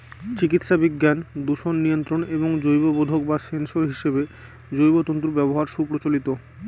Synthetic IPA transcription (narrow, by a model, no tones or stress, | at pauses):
t͡ɕikit̪ʃabiɡːand̪uʃonːijont̪ɾoneboŋd͡ʑojbobod̪ʱok̚basensoɾɦiʃebe | d͡ʑojbot̪ont̪ɾubɛboɦaɾʃupɾot͡ɕolit̪o